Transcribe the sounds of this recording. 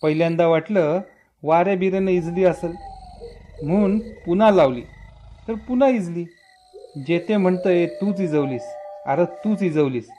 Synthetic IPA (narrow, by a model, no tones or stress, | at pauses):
pəɦiljãnd̪aʋaʈlə | ʋaɾjabiɾenəid͡zliːəsel | m̤ənpunãlaʋlḭːt̪əɾpunãid͡zliː | d͡ʑet̪ʰem̤əɳt̪əet̪ut͡sid͡zəʋliːsa̰ɾət̪uːt͡sid͡zəʋliːs